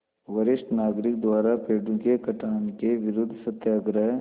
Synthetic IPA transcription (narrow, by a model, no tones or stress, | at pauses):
wəɾɪʃʈnaːɡɾɪk̚d̪waːɾapeːɖũkekɐʈʰaːnkeʋɪɾʊd̪ʱsət̪jaːɡɾəɦ